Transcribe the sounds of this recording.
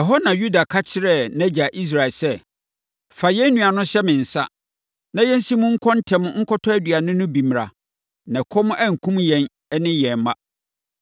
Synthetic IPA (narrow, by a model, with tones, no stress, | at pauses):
ɛ˨ɦɔ˦nã˨ju˦da˨kʰa˦t͡ɕʰɪ˦ɾɛ˦˨nɛ̃˦d͡ʑa˨ʔi˦s̬ɾa˨ɪ˨lsɛ˦˨ | fa˨jɛ˦n˦nːũ˨a˨nʊ̃˦ɕɛ˦mɪ̃˨n̩˨sa̰˦ | nã˦jɛ˦n˦si˦mʊ̃˦ŋ̩˦kʰɔ̃˦n˦tʰɛ̃˨m̃˦ŋ̩˦kʰɔ˦tʰɔ˦æ˦dɥa˨nʊ̃˦nʊ̃˦bĩ˨m˨ɾa̰˨ | nɛ̃˨kʰɔ˦m˦ʔæ˦ŋ̩˨kʰũ˦mjɛ̃˨n | ɛ˦nɪ̃˦jɛ̃˨m˦mã˦